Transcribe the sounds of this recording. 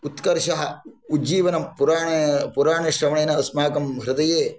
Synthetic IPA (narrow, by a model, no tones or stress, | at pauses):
ut̪kɐɾʃɐɦɐ | ud͡ʒiːʋɐnɐmpuɾaːpuɾaːɳɐʃɾɐmɐɳeːnɐːsmaːkɐmɦɾɪt̪ɐjeː